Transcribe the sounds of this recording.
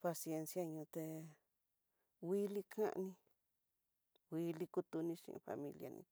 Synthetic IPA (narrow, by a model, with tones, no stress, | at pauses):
pa˧sie˧nsja˧ɲũ˧t̪e˧ | wi˦li˦˧kʰã̰˦ʔnĩ˧ | wi˦˧li˦˧ku˦t̪u˧nĩ˧˦ʃḭ̃˧ʔfa̰˧mĩ˧lja̰˧nḭ̃˧